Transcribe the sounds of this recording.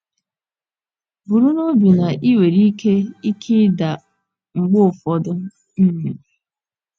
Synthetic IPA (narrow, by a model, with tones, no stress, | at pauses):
bu˨ɾu˦no˦bi˨na˨ʔi˦we˨ɾi˦ke˦i˦kʰi˦da˨ | ŋ͡m̩˨ɡ͡bo˦˨fɔ˨dʊ˦ | n̩˦mi˨